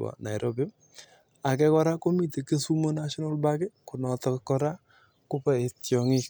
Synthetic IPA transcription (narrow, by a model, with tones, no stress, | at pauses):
wa̰˨na˨jɾʔo˦bɪ˦ | a˨kɛ˦kɔ˦ɾa˦ko˦mi˦te˨ke˦su˦mo˦naʃɔ˦na˦lba˦kɪ˦ku˨nɔ˨tɔ˦kkːɔ˦ɾa˦ | ko˦pɛ˨e˨tjɔŋɪ˦k